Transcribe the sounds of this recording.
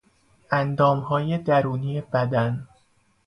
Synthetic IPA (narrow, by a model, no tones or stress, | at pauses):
ʔænd̪ɒːmhɒːje̞d̪æɾuːniːjebæd̪æn